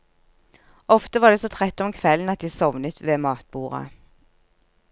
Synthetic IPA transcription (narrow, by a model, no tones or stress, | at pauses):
ɔft̪əʋɑːd̪eːsɔːt̪ʰʁɛt̪ːɔmkʰʋɛln̩ɑt̪̚d̪iːsɔʋnət̪ʰʋeːmɑːt̪̚b̥uːʁɑ̰